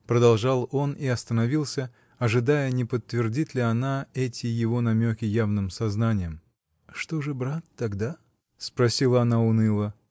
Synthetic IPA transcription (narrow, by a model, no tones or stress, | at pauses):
pɾəd̪ɐlˠʐɑlˠo̞niɐst̪ənɐvʲilˠsʲə | ɐʐɨd̪ajənʲɪpət̪ːvʲɪrdʲit̪lʲɪɐnaɛtʲɪjɪvo̞nɐmʲokʲɪjavnɨmsɐznanʲɪjəm | ʂt̪oʐɨbɾat̪ːɐɡd̪a | spɾɐsʲilˠəɐnaʊnɨlˠə